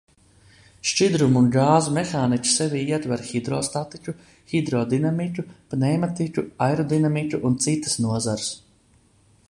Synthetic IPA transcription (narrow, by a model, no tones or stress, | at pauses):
ʃt͡ʃid̪ɾumunɡaːzumexaːnicʲu̥sɛvʲiːiɛt̪vɛɾxid̪ɾɔːst̪at̪icʲu | xid̪ɾɔd̪inamicʲupnɛjmat̪icʲuajɾɔd̪inamicʲuʔunt̪sit̪ḁsnuɔzaɾs